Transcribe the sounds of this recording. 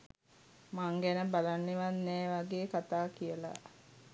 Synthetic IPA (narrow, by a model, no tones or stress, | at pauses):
maŋɡænəbalanːeʋanːɛːʋaɡeːkat̪aːkijəla̰